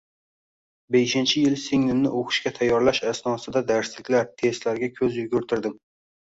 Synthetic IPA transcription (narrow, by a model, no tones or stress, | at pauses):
beʃɪnt͡ʃʰɪjɪlsɪŋnɪmnɪ̰ʔoqʰɨ̥ʃkʲat̪ʰajːɒɾlaʃasnɒsɪd̪ad̪aɾslɪkʲlaɾt̪ʰe̞st̪laɾɡʲakʲʰɵzjʊɡʲʊɾt̪ʰɪɾd̪ɪm